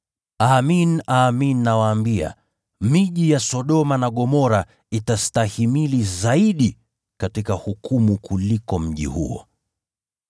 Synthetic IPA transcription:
aːminaːminːawaːmbia̰ | miʄijasɔɗɔmanaɠɔmɔɾa | itastahimilizaiɗi | katikahukumukʰulikɔm̩ʄḭhṵɔ̰

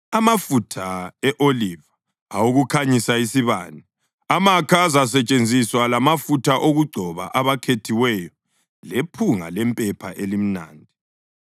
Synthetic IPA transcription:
amafutʰaɛʔoliva | auɣukʰaɲisaisiβa̰ːni | amakʰazas̬ɛt͡ʃʼend͡zʱiswalamafutʰaʔoɣuɡ͡ǀʱɔβa̰ʔaβakʰetʰiwɛjɔ | lepʰuŋa̰lɛmpʼɛpʰaʔelim̩na̰ːndʱi

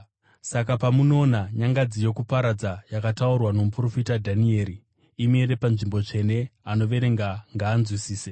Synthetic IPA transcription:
sakapamuno̞ːnaɲaŋɡad͡zijo̞kupaɾad͡zajakataurwano̞mupro̞fitadʱanie̞ːɾi | ime̞ɾe̞panʐimbo̞t͡ʂe̞ne̞ano̞ʋe̞ɾe̞ŋɡaŋɡaːnzwisiːse

